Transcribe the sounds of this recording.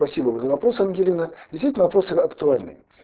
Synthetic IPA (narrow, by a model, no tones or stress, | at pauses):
pɐsʲibəvəzəvɐpɾosɐmɡʲɪlʲinədʲɪst̪vitʲlnəvɐpɾo̞sɨɐkt̪ʊalʲnɨ̰j